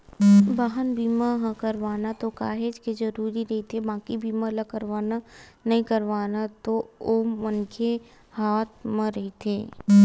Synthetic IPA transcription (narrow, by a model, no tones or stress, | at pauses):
baːɦənbiːmaɦãkɐɾʋaːnat̪okaːɦed͡ʒkezɐɾuːɾiɾɐɦit̪ʰebãːkibiːmalɐkəɾʋaːnanɐɦĩkɐɾʋaːnat̪oomɐnkʰe | haːt̪̚mɐ̃ɾɐɦit̪ʰeː